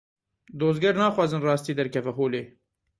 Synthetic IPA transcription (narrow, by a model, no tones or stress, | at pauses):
d̪oːzɡɛɾnɑːxwɑːzɨnrɑːst̪iːd̪ɛɾkʰɛvɛɦoːleː